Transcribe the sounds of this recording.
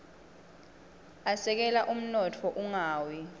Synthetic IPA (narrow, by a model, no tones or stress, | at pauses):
asɛk̬ɛlaʔum̩nɔtʰɔʔuŋaːwi